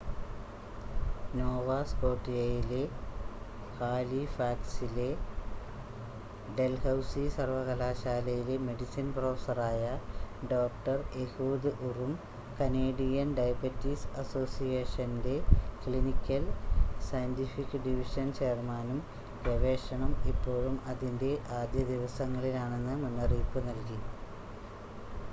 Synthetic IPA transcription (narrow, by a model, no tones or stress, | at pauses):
noːʋaːskoːʈːijɐjile | haːlifaːksile | ɖe̞lhɐwsisɐrʋɐɣɐlaːɕaːlɐjile̞me̞ɖisinproːfɐsɐraːjɐɖoːk̚ʈɐrehuːd̪ɨʔurum | kɐneːɖijɐnɖɐjbɐtːisɐso̞ːsijeːʂɐnde̞kɭinikʲːɐlsɐjɐntifikːɨɖiʋiʂɐnt͡ɕermaːnum | peʋe̞ːʂɐɳumipːo̞ːɻumɐðinde̞ʔaːd̪jɐd̪iʋɐsɐŋːɐɭilaːɳe̞nːɨmenːɐriːpːɨnɐlki